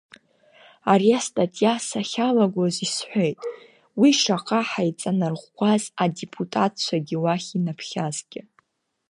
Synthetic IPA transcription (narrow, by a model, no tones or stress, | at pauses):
aɾiastʼatʼjasaχʲalaɡʷozisħʷejtʼ | wiʂaqʼaħajt͡sʼanarʁʷɡʷʰazadepʰʼutʼat̚ʰʼt͡ʃʷʰaɡʲɪwaχʲinapʰχʲazɡʲɪ